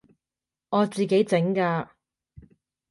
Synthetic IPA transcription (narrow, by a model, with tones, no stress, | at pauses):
ɔː˨˧t͡siː˨ke˨˥jt͡sɪ˨˥ŋkaː˧